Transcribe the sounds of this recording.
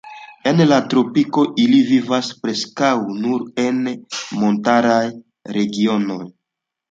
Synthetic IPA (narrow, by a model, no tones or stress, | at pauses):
e̞nlatɾo̞piko̞ʔilivivaspɾe̞skawnuɾe̞nmo̞ntaɾaj | ɾe̞ɡio̞no̞j